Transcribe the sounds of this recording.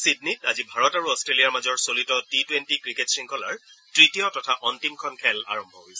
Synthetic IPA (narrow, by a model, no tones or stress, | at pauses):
sid̚nitazibʱaɹɔtaɹuɔstɹeliaɹmazɔɹsolitɔtitwentikɹiketsɹiŋkʰɔla̰ɹtɹitijɔtɔtʰaʔɔntimkʰɔnkʰɛla̰ɹɔmbʱɔɦojsɛ